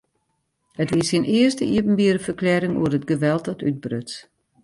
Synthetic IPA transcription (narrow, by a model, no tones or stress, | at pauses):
hətʋɪsinɪərstəiəpən̩biəɾəfərklɛɾɪŋṵərətɡəʋɛlˠtdɔtʰyt̚brøt͡s